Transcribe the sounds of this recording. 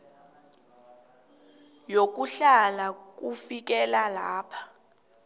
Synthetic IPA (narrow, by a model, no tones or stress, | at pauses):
jok̬uɬalak̬ufik̬ɛlalaːpʰḁ